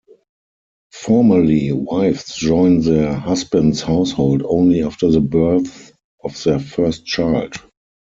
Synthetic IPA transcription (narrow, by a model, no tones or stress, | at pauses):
fɔɹməliwaɪfsd͡ʒɔ̃ɪ̃nðəhasbə̃ntshaʊshoʊldõʊ̃nliaftəðəbɜ˞θ | ɔfðəfɜ˞st̚t͡ʃaɪld